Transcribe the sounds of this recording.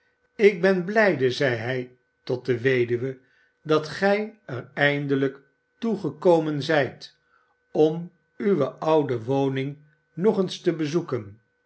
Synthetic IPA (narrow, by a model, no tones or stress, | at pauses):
ɪɡ̚bɛnblɛjdəzɛjɦɛj | tɔt̚dəʋejdyʋə | dɑtχɛjərɛjndələk | tuχəkowmənzɛjt | ɔm | yʋəʔɑwdəʋownɪŋ | nɔχənstəbəzukən